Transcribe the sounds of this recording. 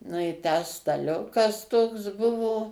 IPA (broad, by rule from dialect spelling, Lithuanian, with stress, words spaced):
nʊ ɪ ˈtʲæː stɐˈlʲʊkɐs toːks ˈbʊʋoː